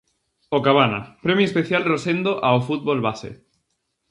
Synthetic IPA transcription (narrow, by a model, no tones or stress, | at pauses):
okaβ̞ana̰pɾemjuespeθjalrosend̪oʔaofut̪̚βolβasḛ